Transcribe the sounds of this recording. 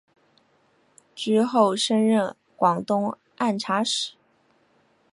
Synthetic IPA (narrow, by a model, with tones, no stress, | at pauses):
ʈ͡ʂɻ̩˥xo˥˩ʊʂə˥nɻə˥˩n | kwɑ˨˩ŋt̪ʊ˥ŋ | a˥˩nʈ͡ʂʰa˧˥ʂɻ̩˨˩˦